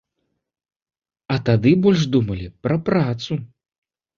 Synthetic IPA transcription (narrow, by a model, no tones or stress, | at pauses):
ɐt̪ad̪ɨbɔlʲʐd̪umɐlʲipɾɐpɾat̪su